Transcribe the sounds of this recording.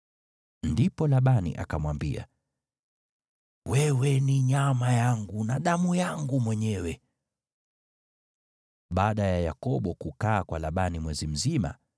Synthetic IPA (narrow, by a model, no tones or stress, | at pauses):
ndipɔlaɓanḭʔa̰kamwambḭa̰ | wɛwɛniɲamajaŋɡunaɗamujaŋɡumwɛɲɛwɛ | ɓaːɗajajakɔɓɔkukaːkwalaɓanimwɛzim̩zima̰